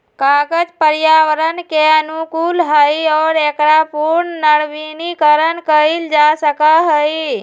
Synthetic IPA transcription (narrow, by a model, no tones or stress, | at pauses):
kaɡəd͡ʒpəɾjaʋəɾənkeənukulɦəjɔːɾekɽapuɾnnəɽʋinikəɾənkəild͡ʒasəkaɦəj